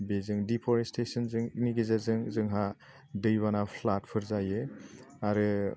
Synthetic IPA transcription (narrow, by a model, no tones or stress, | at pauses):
bezɯŋdipʰɔɾestʰesɯnzɯŋniɡezaɾzɯŋzɯŋɦa | dɯjβanapʰlat̚pʰɯɾzajɯ | aɾɯ